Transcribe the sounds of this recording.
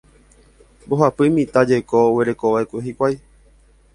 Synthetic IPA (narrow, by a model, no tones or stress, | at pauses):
boɦapɨmĩt̪ad͡ʒejkoowe̞ɾe̞koʋaekʷeɦikʷaj